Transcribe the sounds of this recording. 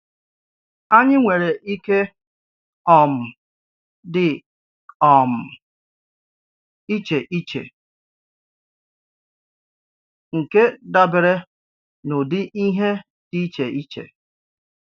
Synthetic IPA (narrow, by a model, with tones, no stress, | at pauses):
a˦ɲɪ˦ŋʷe˨ɾe˨ʔi˦ke˦ | ɔ˨m̩˨ | dɪ˨ | ɔ˨m̩˨ | i˦t͡ʃe˨ʔi˦t͡ʃḛ˨ | ŋ̩˨ke˦da˦bɪ˨ɾe˦ | no˨dɪ˦ʔi˦ɦe˦ | ti˦t͡ʃe˨ʔi˦t͡ʃḛ˨